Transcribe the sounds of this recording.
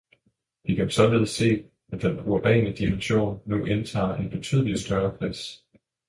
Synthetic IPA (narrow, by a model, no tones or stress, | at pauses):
ʋikʰænsɒ̽leð̞ˠse̝̰ː | æd̥enuɐb̥ɛ̰ːnəd̥imenɕo̝̰ːnːuʔent͡sʰɑ̰̈ːe̝nb̥e̝t͡sʰy̰ːð̞̰ˠəlisd̥ɶɐkʰlɛ̰s